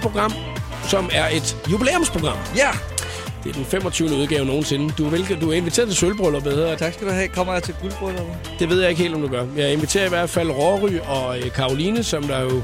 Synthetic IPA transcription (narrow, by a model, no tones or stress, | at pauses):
pʰʁo̝ɡ̥ʁɑ̈m̰ | sɒ̽mæɐe̝d̥jubilḛːomspʰʁo̝ɡ̥ʁɑ̈m̰ | d̥e̝æɐd̥enfem̰ɒ̽t͡sʰyʊnəuð̞ˠɡ̥ɛːʊno̝ːn̩se̝nəd̥uʋelɡd̥uæɐe̝nʋit͡sʰe̝̰ːɐðˠt͡sʰe̝sølb̥ʁɔlɐbeðheðˠɐt͡sʰɑɡsɡ̥duɛːkʰɒm̰ɐjat͡sʰeɡ̥ulb̥ʁɔlˠɐ | d̥e̝ʋe̝ð̰ˠjɑ̈ɪe̝ɡ̥e̝̰ːld̥ɒ̽md̥uɡ̥ɶɐjɑ̈ɪe̝nʋit͡sʰe̝̰ːɐiʋæɐd̥fæl̰ʁɒʁyɒ̽økʰɑ̈ːo̝linəsɒ̽md̥ɑ̈jo̝